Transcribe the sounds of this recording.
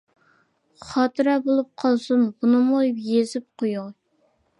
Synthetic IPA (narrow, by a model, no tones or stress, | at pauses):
χɑt̪ɨɾɑbolˠup̚qʰɑlˠsɨnbunɨmojpjezɪp̚qʰojuŋ